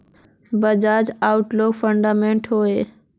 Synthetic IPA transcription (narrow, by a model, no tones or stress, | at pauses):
bəd͡ʒaːd͡ʒaːʊʈloːɡfəɳɖaːmẽɳʈɦoːeː